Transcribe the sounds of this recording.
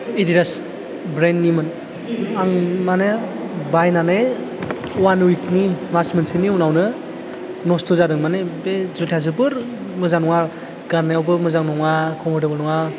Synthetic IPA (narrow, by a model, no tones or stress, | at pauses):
idiɾas | bɾenːimɯn | aŋmane | bajnanej | wanwiknimasmɯnsʰɯniunawnɯ | nɔstʰozadɯŋmanebezutʰazɯbɯɾ | mɯzanɔŋaɾ | ɡ̥aɾnajawbɯmɯzaŋnɔŋakʰɔmɯdɯbɯnɔŋa